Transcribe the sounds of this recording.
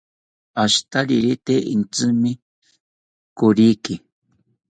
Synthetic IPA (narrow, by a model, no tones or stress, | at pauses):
aʃt̪aɾiɾit̪eʔint͡sɨmi | kuɾiki